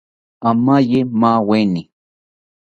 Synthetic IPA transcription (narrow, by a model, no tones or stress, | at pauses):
amajemaweni